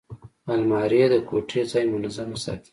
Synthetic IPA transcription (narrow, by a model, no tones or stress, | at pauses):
almɑɾed̪əkʰoʈʰet͡sɑjmʊnazaməsɑ̰t̪i̥